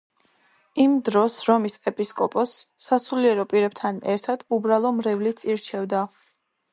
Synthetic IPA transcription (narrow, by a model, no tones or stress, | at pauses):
imd̪ɾɔsɾɔmisʼɛpʼiskʼɔpʼɔsːasuliɛɾɔpʼiɾɛb̚t̪ʰanɛ̰ɾt̪ʰad̪̥ubɾalˠɔmɾɛvlit̪sʼiɾt͡ʃʰɛvd̪a